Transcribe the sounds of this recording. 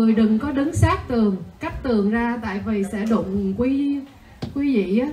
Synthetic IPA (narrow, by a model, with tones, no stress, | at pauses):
ɨ˨˩əjɗɨ˨˩ŋkɔ˨˦ɗɨ˨˦ŋsaː˦˥k̚t̪ɨ˨˩əŋka˦˥k̚t̪ɨ˨˩əŋzaː˧t̪a̰ː˧˨jvi˨˩sɛ̰˧˥ɗʊ̰˧˨ŋ͡mkwi˨˦ | kwi˨˦vḭ˧˨ʔaː˨˦